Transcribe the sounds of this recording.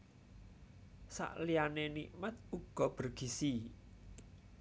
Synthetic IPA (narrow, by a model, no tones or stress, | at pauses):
sa̰ʔlianeniʔmat̪̚uɡ̥ɔ̤b̥ərɡ̥isi